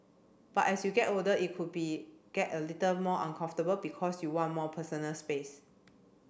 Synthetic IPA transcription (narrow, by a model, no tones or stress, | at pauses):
b̥atɛsjuɡɛtodəʔit̚kʰud̚biɡ̥ɛtəlitəlmɔʔãnkʰãɱftəbəlbikʰɔsjuwɔ̃nmɔpʰəsənəlspes